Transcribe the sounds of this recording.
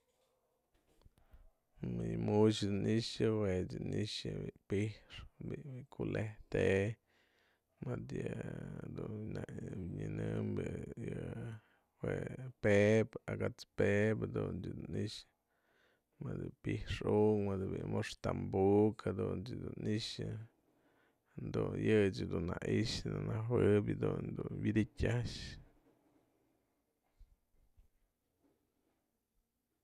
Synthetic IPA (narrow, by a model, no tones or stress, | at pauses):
ijmut͡ʃd̪uniʃawed͡ʒiniʃbipiʂbibikʰulet̪e | mad̪jad̪unabɲinɨmbij | wepebaɡat͡spebd̪unt͡ʃd̪uniʃ | mɨd̪ɨpihʂuŋmɨd̪ɨbḭmoʂt̪ambukhad̪unt͡ʃɨd̪uniʃɨ | hand̪unjɨt͡ʃɨd̪unaʔiʃnanawɨbʲɨd̪und̪unwʲid̪itʲaʃ